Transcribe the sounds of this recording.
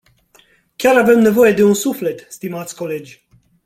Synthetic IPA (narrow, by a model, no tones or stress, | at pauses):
kʲaɾave̞mne̞vo̞je̞d̪e̞unsufle̞t̪st̪imat̪sʲko̞le̞d͡ʒʲ